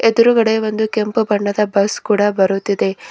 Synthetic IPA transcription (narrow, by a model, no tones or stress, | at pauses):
ed̪uɾuɡɐɽe̞ʋo̞nd̪ukempubɐɳːɐd̪ɐbɐskuːɽɐbɐɾut̪ːid̪e̞